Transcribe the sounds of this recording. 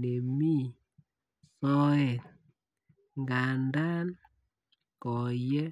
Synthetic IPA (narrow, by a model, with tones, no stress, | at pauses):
ne˨mi˦ | sɔ˦ɛ˨t | ŋɡa˨nda˦n | kɔ˨jɛ˦